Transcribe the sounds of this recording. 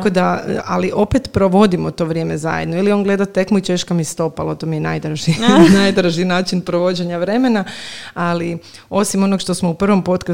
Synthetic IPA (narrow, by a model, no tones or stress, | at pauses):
kod̪aəaliʔo̞pet̪pɾo̞ʋo̞d̪imot̪o̞ʋɾjemeza̰jed̪noilio̞ŋɡle̞d̪at̪e̞kmut͡ʃeʃkamist̪o̞palat̪omijenaːjd̪ɾaʒinajd̪ɾaʒinaːt͡ʃinpɾoʋo̞d͡ʑeɲaʋɾe̞me̞naali | o̞simo̞nokʃt̪o̞smoupr̩ʋo̞mpo̞t̪ka